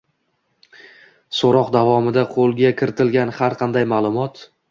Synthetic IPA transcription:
soɾɒqd̪avɒmɪd̪aqʰolˠɡʲakʲʰɪɾɪt̪ʰɪlɡʲanhaɾqʰɑnd̪ajmaːlˠʊmɒt̪

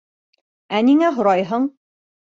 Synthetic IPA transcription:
æniŋæɦŏɾɑjɦɤɴ

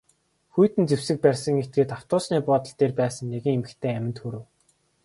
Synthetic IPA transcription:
xujt̪ɘ̆nt͡sew̥sɘ̆k̚pærʲsə̆ŋet̪̚ɡeːt̪aw̥t̪ʊːsniːpʊːt̪ə̆ɬt̪eːrpæːsə̆ŋneɣɘ̆ŋemɘ̆kt̪ʰeːæmʲɪ̆nt̪xuɾɘ̆w

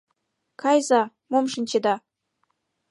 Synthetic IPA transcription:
kɑjzɑ | momʃɤ̆nʲt͡ɕĕd̪ɑ

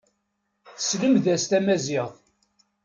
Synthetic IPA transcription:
θə̥sləmðæst̪æmæzɪðˤ

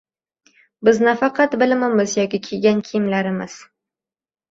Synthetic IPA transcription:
bɪznafɑqʰɑt̪bɪlmɪmɪzjɒkʲɪkʲʰeɡʲankʲʰijɪmlaɾɪmɪz̥

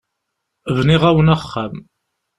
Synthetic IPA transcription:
vniʁæwənəχːam

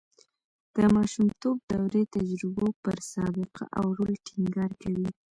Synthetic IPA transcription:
d̪̥əmɑʃumt̪ob̚d̪awɾet̪ad͡ʒɾɪbopəɾsɑbɪqʰa̰ʔa̰wɾolʈʰɪŋɡɑɾkawi

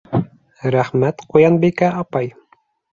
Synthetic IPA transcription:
ɾæχmæt̪qujɑnbikæʔɑpɑj

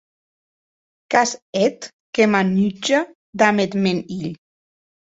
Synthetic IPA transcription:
kasɛt̪ | kemanyd͡ʒa | d̪amet̪meniʎ

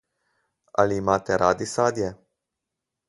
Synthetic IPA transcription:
a̰limat̪eɾʔad̪isad̪je

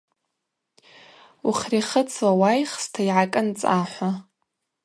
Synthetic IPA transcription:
uχʲriχət͡sʰwawajχstʰaiʕakʼɨnt͡sʼaħʷa

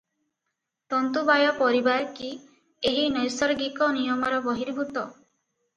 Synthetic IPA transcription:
t̪ɔnt̪ubajɔpɔɾibaɾki | eɦinɔjsɔɾɡikɔnijɔmɔɾɔbɔɦiɾbʱut̪ɔ

